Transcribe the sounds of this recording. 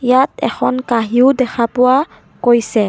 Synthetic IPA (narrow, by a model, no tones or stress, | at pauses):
jatɛxʰɔnkaɦiʊdɛxʰapʊwa | kojsɛ